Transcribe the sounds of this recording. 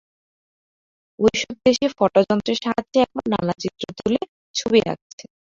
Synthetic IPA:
ojʃɔb̚d̪eʃefɔʈad͡ʑɔnt̪ɾeɾʃaɦad͡ʑeɛkʰonːa̰nat͡ɕit̪ːɾot̪ule | t͡ɕʰubiɾa̰k̚t͡ɕʰe̥

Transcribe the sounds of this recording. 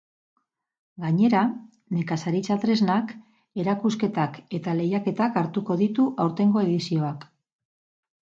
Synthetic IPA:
ɡaɲe̞ɾa | ne̞kasaɾit͡sat̪ɾe̞znak | e̞ɾakuske̞t̪ake̞t̪ale̞jake̞t̪akaɾt̪uko̞ðit̪uʔawɾt̪e̞ŋɡo̞e̞ðisio̞ak

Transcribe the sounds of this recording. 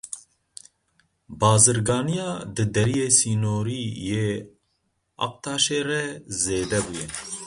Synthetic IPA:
bɑːzɨɾɡɑːnijɑːd̪ɨd̪ɛɾijeːsiːnoːɾijeː | ɑ̰q̚t̪ʰɑːʃeːɾɛzeːd̪ɛbujɛ

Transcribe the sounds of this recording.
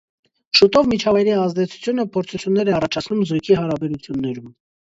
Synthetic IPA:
ʃut̪ɔvmit͡ʃʰɑvɑjɾiɑzd̪ɛt͡sʰu̥t͡sʰjun̪əpʰɔɾt͡sʰut͡sʰjunːɛɾɛɑrɑt͡ʃʰɑt͡sʰnumzujkʰihɑɾɑbɛɾut͡sʰjunːɛɾum

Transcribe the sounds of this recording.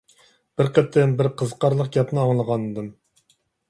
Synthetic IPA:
b̥ɪɾqɛp̚t̪ʰːɛnbɪɾqʰəzqʰɑɾlˠəq̚ɡʲɑp̪nɨɑŋlˠəʁɑnɨd̪ɨm

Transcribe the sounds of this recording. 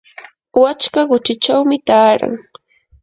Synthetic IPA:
wat͡ʃkaɢʊt͡ʃɪt͡ʃawmɪt̪aːɾa̰ŋ

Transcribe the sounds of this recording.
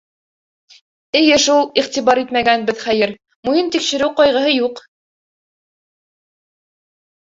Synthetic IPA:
ɘ̆jɘʃulˠiχt̪iβɑɾit̪mæɡænbɘðχæjɘɾ | mujint̪ikʃɘ̆ɾɘwqɑjʁɤ̆ɦɤjuq

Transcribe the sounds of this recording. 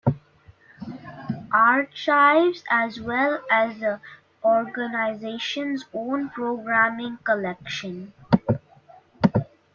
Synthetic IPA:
ʔaːɾʈt͡ʃaɪʋzæzwɛlæzə | ɔːɾɡənaɪzeːʃə̃nzõːnpɾoːɡɾæ̃mɪ̃ŋkəlɛkʃə̃n

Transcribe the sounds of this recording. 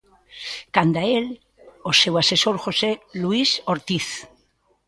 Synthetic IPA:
kand̪ael | osewase̞soɾxoseluisoɾt̪iθ

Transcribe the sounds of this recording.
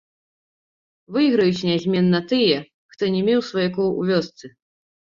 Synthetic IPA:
vɨɣɾɐjut͡sʲnʲazʲmʲɛnːɐt̪ɨjɛ | xt̪ɔnʲɛmʲɛwsvɔjɛkɔwṵvʲɔst̪sɨ

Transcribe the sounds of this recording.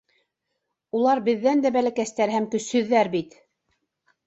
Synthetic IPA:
ulˠɑɾbɘ̆ðːænd̪æbælækæst̪æɾhæmkɵ̆shɵ̆ðːæɾbit̪

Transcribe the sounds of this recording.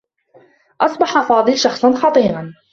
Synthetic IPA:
ʔɑsˤbɑħaʔfɑːd̪ˤɨlʃɑxsˤɑnxɑt̪ˤiːɾɑn

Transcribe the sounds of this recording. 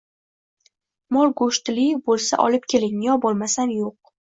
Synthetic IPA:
mɒlˠɡʊʃt̪libolˠsa̰ʔɒ̰lɪp̚kʲʰe̞lɪŋjɒbolˠmasanjoq̚

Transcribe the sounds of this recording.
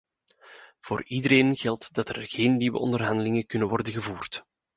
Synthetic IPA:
v̥oːridəɾeːnɣɛlˠtdɑtərɣeːnːiwə̰ʔɔ̰ndərɦɑndəlɪŋəkɵnənʋɔrdənɣəvuːrt

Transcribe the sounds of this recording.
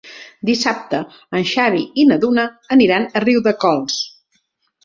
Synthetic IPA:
d̪isap̚t̪ə | ənʃaβiinəðunəːniɾanəriwðəkɔlˠs

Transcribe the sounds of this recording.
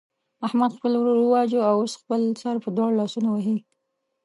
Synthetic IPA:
ahmad̪xpəlwɾoɾwəwɑd͡ʒoawosxpəlt͡sɑɾpəd̪wɑɽlɑsunowaɦi

